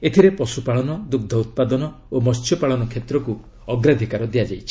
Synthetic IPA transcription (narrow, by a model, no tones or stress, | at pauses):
et̪ʰiɾepɔsupaɭɔnɔd̪uɡ̚d̪ʱɔut̪̚pad̪ɔnɔ | omɔst͡ʃʰjɔpaɭɔnɔkʰet̪ɾɔku | ɔɡɾad̪ʱikaɾɔd̪iad͡ʒajt͡ʃʰi